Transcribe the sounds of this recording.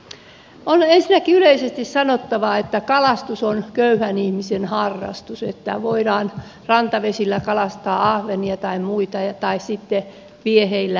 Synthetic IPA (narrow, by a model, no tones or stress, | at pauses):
onensinːˑækiyleisest̪issɑnot̪ːɑʋɑet̪ːækɑlɑst̪usonkøyhænihmisenhɑrːɑ̰st̪uset̪ːæ̰ʋoiɾɑːn | rɑnt̪ɑʋesilːækɑlɑst̪ɑːɑhʋeniɑt̪ɑimmuit̪ɑjɑt̪ɑissit̪ːe | ʋieheilːæ